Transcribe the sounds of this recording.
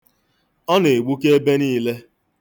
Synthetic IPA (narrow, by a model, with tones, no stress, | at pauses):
ɔ˦ne˨ɡ͡bu˦ke˦e˦be˦niː˦le˦